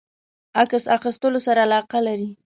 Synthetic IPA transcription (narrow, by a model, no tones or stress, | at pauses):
aksaxɪst̪əlosaɾaːlɑqalaɾi